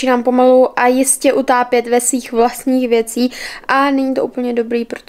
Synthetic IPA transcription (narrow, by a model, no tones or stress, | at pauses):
iːnaːmpo̞maluʔajɪscɛʔut̪aːpjɛt̪vɛsviːxvlast̪ɲiːxvjɛt͡siːʔanɛɲit̪o̰uːpl̩ɲɛdo̞bɾiːpɾo̥t̪